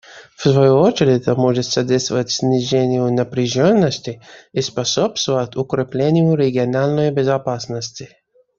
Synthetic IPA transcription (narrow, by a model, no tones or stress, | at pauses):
fsvɐjuot͡ɕɪɾʲɪəmoʐɨt̪sɐd̪ʲest̪vəətʲsʲnʲɪʒenʲɪjʊnəpɾʲɪʒonːəsʲtʲɪispɐsopst̪vəət̪ʲʊkɾʲɪplʲenʲɪjʊɾʲɪɡʲɪɐnalʲnəjbʲɪzɐpasnəsʲtʲɪ